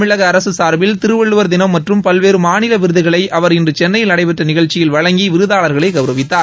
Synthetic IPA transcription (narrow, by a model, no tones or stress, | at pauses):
ɪɭɐɣɐːɾɐsɯsaːɾbɪlt̪ɪɾɯʋɛɭːɯʋɐɾd̪ɪnɐmːɐʈrɯmpɐlʋeːɾɯmaːnɪlɐʋɪɾɯðɯɣɐɭɐɪɐʋɐɾɪndrɯt͡ʃɛnːɐjɪlɐɽɐɪpɛʈrɐnɪɣɐɭt͡ʃːɪjɪlʋɐɻɐŋɡiʋɪɾɯðaːɭɐɾɣɐɭɐɪkɐʋɪɾɐʋɪt̪ːaː